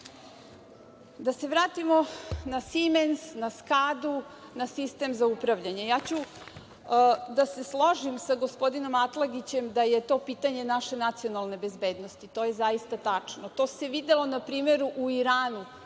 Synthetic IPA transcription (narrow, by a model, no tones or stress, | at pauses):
d̪ase̞ʋɾaːt̪imo̞nasimensnaskaːd̪unasist̪e̞mzaupɾaʋʎaɲe̞jaːt͡ɕu | d̪ase̞slˠoʒimsaɡo̞spo̞d̪ino̞mat̪lˠaɡit͡ɕe̞md̪aje̞t̪o̞ːpit̪aɲe̞naʃe̞nat̪sio̞nalˠne̞be̞zbe̞ːd̪no̞st̪it̪o̞ːjezaist̪at̪at͡ʂnot̪o̞ːse̞ʋid̪elo̞napɾiːme̞ɾuʔuiɾaːnu